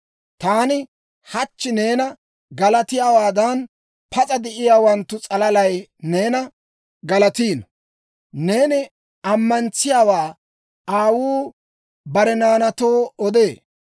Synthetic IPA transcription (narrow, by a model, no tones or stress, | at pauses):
t̪aːnɪ | hɐt͡ʃːɪne̞ːnɐ | ɡɐlɐt̪ɪjaːwaːd̪ɐn | pɐt͡sʼɐd̪ɛʔɪjaːwɐnt̪ːʊt͡sʼɐlɐlɐjne̞ːnɐ | ɡɐlɐt̪iːn | ne̞ːnɪ | ɐmːɐnt͡sɪjaːwaː | aːwuː | bɐɾɛnaːnɐt̪o̞ːɔd̪e̞ː